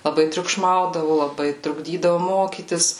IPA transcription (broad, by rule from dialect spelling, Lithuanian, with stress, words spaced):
lˠɐˈbɐɪ tʲrʲʊkˈʃmɐʊdɐʋoː lˠɐˈbɐɪ trʊɡˈdʲiːdɐʋoː ˈmoːkʲiːtʲɪs